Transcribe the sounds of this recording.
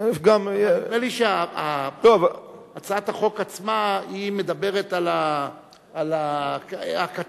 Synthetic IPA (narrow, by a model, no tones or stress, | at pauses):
fɡammeliʃeaalova | at͡saat̪haχo̞kat͡smaime̞d̪abe̞ʁet̪alaː | la | aka